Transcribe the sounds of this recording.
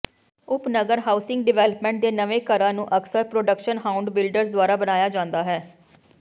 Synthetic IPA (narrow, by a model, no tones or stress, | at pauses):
ʊpnəɡəɾɦaːʊsɪ̃ŋɡɖɪʋɛːləpmɛ̃ːɳʈ̚d̪eːnəʋeːkəɾãːnũːʔəksəɾpɾoːɖəkʃənɦaːʊ̃ɳɖbɪlɖəɾsd̪ʊaːɾaːbənaːjaːd͡ʒãːnd̪aːɦɛː